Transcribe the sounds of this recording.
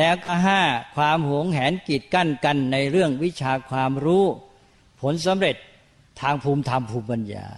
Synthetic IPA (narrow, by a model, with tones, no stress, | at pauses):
lɛː˦˥wkɔː˥˩ɦaː˥˩kʰwaː˧mhu˩˦əŋɦɛː˩˦nki˨˩t̪̚ka˥˩nka˧nːa˧jɾɯ˥˩əŋwi˦˥t͡ɕʰaː˧kʰwaː˧mɾuː˦˥ | pʰo˩˦˥ns̬a˩˦mɾe˨˩t̪̚ʰː | aː˧ŋpʰuː˧mt̪ʰa˧mpʰuː˧mpa˧nja̰ː˧